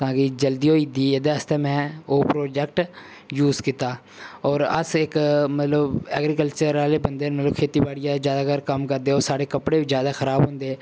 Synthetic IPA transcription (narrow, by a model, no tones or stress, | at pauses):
t̪ãːkɪd͡ʒəld̪iːɦoːiːd̪iːeːd̪eəst̪eːmɛ̃ːoːpɾoːd͡ʒɛk̚ʈ | juːzkɪt̪aː | ɔːɾə̰sɪkmət̪ləbɛ̰ːɡɾiːkəlt͡ʃəɾaːleːbənd̪eːnmət̪ləbkʰeːt̪iːbaːɽijaːzjaːd̪aːkəɾkəmkəɾd̪eːoːɾsaːɽeːkəpɽeːʋid͡ʒjaːd̪aːxʰəɾaːbɦʊ̃nd̪eː